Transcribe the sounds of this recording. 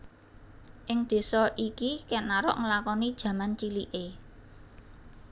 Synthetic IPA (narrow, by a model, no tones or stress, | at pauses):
ʔɪŋd̪̥e̤sɔʔikikɛnaɾʊ̰ʔŋəlakɔnid̥ʒ̥ä̤mant͡ʃiliʔe